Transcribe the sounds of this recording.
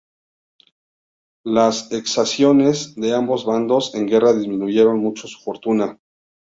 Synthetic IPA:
lase̞ksasjo̞ne̞zðe̞ambo̞zβand̪o̞se̞ŋɡe̞raðizmĩnuʝe̞ɾo̞nmut͡ʃosu̥fo̞ɾt̪una

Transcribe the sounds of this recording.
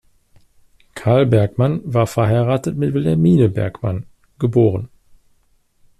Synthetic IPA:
kʰaɐlbɛɐkmanvaːɐfɛɐɦaɪʁaːtətmɪtv̥ɪlɛmiːnəbɛ̰ɐkma̰n | ɡ̥əboːʁən

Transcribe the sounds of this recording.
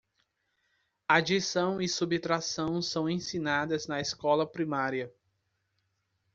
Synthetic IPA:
ad͡ʒisɐ̃w̃isubit̪ɾasɐ̃w̃sɐ̃w̃ẽsĩnad̪ɐznɐeskɔlɐpɾimaɾiɐ

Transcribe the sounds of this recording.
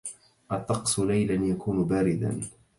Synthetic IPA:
ʔɑt̪ˤːɑqsʊlajlanjakuːnʊbaːɾɪd̪a̰n

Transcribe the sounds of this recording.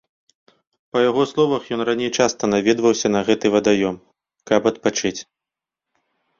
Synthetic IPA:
pɐjaɣɔslˠɔvɐxjɔnranʲejt͡ʂast̪ɐnavʲɛd̪vɐwsʲɐnɐɣɛt̪ɨvɐd̪ajɔm | kɐpɐt̪̚pat͡ʂɨt͡sʲ

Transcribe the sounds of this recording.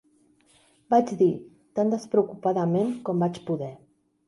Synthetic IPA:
bad͡ʒd̪i | t̪and̪əspɾəukupaðəmeŋkɔmbat͡ʃpuðɛ

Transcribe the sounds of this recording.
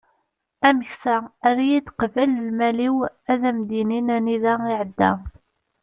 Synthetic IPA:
æməçsææɾajid̪qvæləlmæliwæðæmd̪ininæniðæiʕəd̪ːæ̰

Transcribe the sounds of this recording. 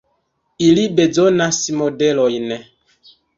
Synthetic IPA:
ilibed͡zɔnasimɔdɛlɔinɛ

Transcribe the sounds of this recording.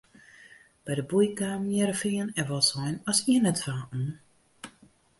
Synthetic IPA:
b̥ɛjdəbujkaːmjɛɾəfɪənɛʋɔlˠsɔjnɔsiənɛtfaːʔ̩

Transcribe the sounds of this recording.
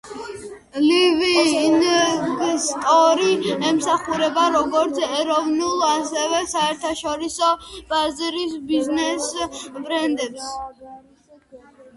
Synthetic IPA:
livinɡst̪ʼɔɾiɛmsaχuɾɛbaɾɔɡɔɾt̪sʰɛɾɔvnulˠasɛvɛsaɛɾt̪ʰaʃɔɾisɔb̥azɾisbiznɛsbɾɛnd̪ɛps

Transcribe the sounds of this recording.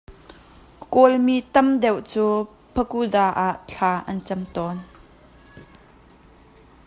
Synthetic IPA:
kolmit̪ɐmd̪ɛwʔt͡suː | pʰəkudaːʔaʔt͡ɬʰaːʔɐnt͡sɐmt̪ɔn

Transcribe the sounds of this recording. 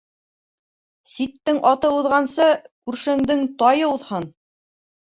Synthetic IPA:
sit̪ːɘŋʔɑt̪ɤuðʁɑnsɤkʉɾʃɘ̆ŋd̪ɘŋt̪ɑjɤuðhɤn

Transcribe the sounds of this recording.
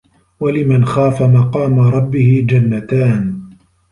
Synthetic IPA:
walɪmanxaːfamɑqɑːmaɾˤɑbːɪhɪd͡ʒanːat̪aːn

